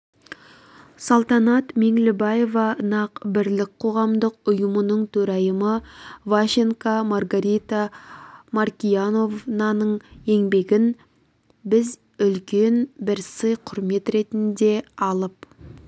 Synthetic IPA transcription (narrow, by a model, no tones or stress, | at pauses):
sɑlˠt̪ɑnɑt̪me̞ŋlɪbɑje̞vɑnɑqbɪɾlɪk̚ʲqʰo̞ʁɑmd̪əqʊjəmənəɴt̪ʰɵɾɑjəməvaʃiŋkɑmarɡaɾijt̪ɑmarkʲijano̞vnɑnəɴe̞ŋbe̞ɡʲɪn | bɪz | ʏlkʲe̞nbɪɾsəjqʰʊɾme̞t̪ɾe̞t̪ɪnd̪e̞ɑlˠəp